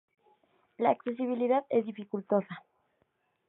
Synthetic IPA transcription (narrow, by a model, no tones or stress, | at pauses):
laːkse̞s̬iβ̞iliðaðezðifikult̪o̞sa